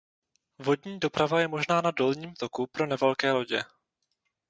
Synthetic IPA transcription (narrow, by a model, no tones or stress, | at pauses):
vo̞dɲiːdo̞pɾavajɛmo̞ʒnaːnado̞lɲiːmt̪o̞kupɾo̞nɛvɛlkɛːlo̞ɟɛ